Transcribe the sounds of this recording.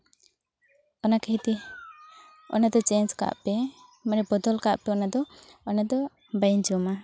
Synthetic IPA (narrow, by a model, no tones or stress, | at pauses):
ɔnakɛɦit̪i | ɔ̰nad̪ɔt͡ʃɛnd͡ʒka̰ʔpɛ | manɛbɔd̪ɔlkaʔpɛɔnad̪ɔ | ɔnad̪ɔ | bajnd͡ʒɔma